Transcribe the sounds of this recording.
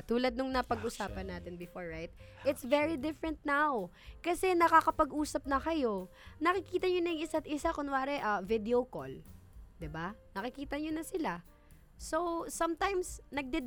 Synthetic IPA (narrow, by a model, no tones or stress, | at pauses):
t̪uːlɐd̪nʊŋnɐpɐɡʔʊsaːpɐnːaːt̪ɪnbɪfoɹɹajt̪̚ʔɪt̪svɛɹid̪ɪfɹɛ̃nt̪̚naw | kɐsɛnɐkakɐpɐɡʔuːsɐp̚nɐkɐjo̞nɐkɪkiːt̪ɐɲonɐjʊŋʔɪsat̪̚ʔɪsakʊnwaːɾɛʔɐvɪd̪ɛoko̰ld̪ɪbanɐkɪkiːt̪ɐɲonɐsɪla | sowsɐmt̪ajmsnɐɡ̚d̪ɛd̪